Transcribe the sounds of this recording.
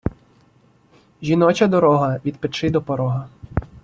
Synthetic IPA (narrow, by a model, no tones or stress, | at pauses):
ʒʲinɔt͡ʃɐd̪ɔɾɔɦɐʋʲid̪pet͡ʃɪd̪ɔpɔɾɔɦɐ